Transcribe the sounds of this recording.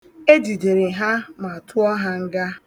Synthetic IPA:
e˦di˨de˨ɾe˨ɦa˦ma˨tʊ˦ɔ˦ɦa˦ŋ̩˦ɡa˦

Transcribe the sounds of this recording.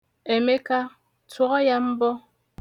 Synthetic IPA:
e˨me˦ka˦ | twɔ˦ɣɔ˦ja˦m̩˦bɔ˦

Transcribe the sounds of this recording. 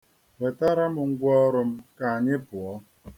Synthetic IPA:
we˨ta˦ɾa˦mʊ˨ŋ̩˦ɡʷɔ˦ɾʊ˨m̩˦ka˨a˨ɲɪ˦pʊ˨ɔ˦

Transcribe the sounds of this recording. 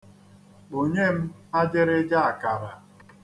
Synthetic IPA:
o˨ɲe˦m̩˦ | a˦d͡ʒɪ˦ɾɪ˦d͡ʒa˦a˨ka˨ɾa˨

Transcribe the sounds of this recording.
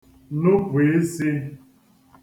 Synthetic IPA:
no˦pʷe˨e˦si˦

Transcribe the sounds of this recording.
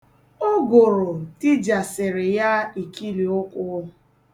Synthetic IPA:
o˦ɡo˨ɾʊ˨ti˦d͡ʒa˨sɪ˨ɾɪ˨ja˦i˨ki˦li˨ʊ˦kʷʊ˦

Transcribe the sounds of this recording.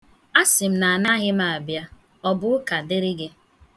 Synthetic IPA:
a˦sɪ˨m̩˦na˨a˨na˦ɣɪ˦ma˨a˨bja˦ | ɔ˦bʊ˦ʊ˦ka˨de˦ɾi˦ɡɪ˦

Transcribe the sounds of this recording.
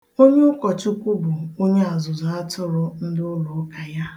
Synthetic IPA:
o˦ɲe˦ʊ˦kɔ˨t͡ʃʊ˦kʷu˦bʊ˨o˦ɲe˦a˨zʊ˨za˨a˦tʊ˦ɾʊ˦n̩˦dʊ˦lo˨˦ka˨ja˦

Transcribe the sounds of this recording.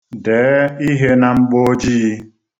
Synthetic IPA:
deː˨˦i˦ɦe˦na˨ŋ͡m̩˦ɡ͡bo˦d͡ʒiː˦

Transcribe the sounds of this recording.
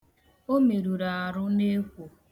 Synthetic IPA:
o˦me˨ɾu˨ɾa˨a˨ɾʊ˦ne˦kʷo˨

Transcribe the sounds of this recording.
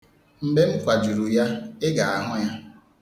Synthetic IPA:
m̩˦ɡ͡be˦m̩˦kʷa˨d͡ʒu˨ɾu˨ja˦ɪ˦ɡa˨a˨ɦʊ˦ja˦

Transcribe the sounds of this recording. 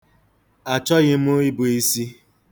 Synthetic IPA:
a˨t͡ʃɔ˦ɣɪ˦m̩˦o˦i˦bʊ˨i˦si˦

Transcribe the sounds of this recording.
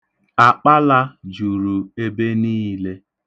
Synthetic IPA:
a˨k͡pa˦la˦d͡ʒu˨ɾu˨e˦be˦niː˦le˦

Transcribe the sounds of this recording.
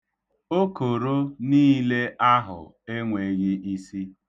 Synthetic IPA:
o˦ko˨ɾo˦niː˦le˦ʔa˦ɦʊ̰˨ | e˦ŋʷe˨ɣɪ˦ʔi˦si˦

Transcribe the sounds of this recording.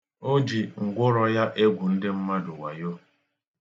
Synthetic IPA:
o˦d͡ʒi˨ŋ̩˨ɡʷʊ˦ɾɔ˦ja˦ʔe˦ɡʷu˨n̩˦dɪ˦m̩˦ma˦dʊ˨wa˨jo˦

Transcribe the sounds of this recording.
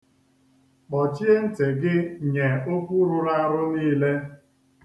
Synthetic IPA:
k͡pɔ˨t͡ʃi˦e˦n̩˦te˨ɡɪ˦ɲe˨o˦kʷu˦ɾʊ˨ɾa˦ɾʊ˦niː˦le˦

